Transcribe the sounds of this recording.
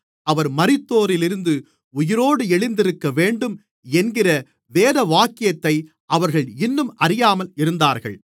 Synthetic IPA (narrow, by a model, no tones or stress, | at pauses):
ɐʋɐɾmɐɾɪt̪ːoːɾɪlɪɾɯnd̪ɯ | ʊjɪɾoːɽɯɛɭɪnd̪ɪɾɯkːɐʋeːɳɖɯm | ɛnɡɪrɐ | ʋeːðɐʋaːkɪjɐt̪ːɐɪ | ʔɐʋɐɾɣɐɭɪnːɯmʔɐɾɪjaːmɐlɪɾɯnd̪aːɾɣɐ̰ɭ